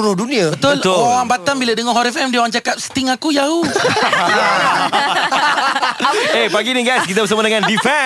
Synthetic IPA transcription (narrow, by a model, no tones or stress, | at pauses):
ɾʊdunĩabət̪ʊloɣaŋbat̪ambiladəŋɔɦɔɾɛfɛmdioɣaŋt͡ʃakap̚sə̥t̪ɪŋakujau | epaɡiniɡajskit̪abəsəmadəŋãndifɛ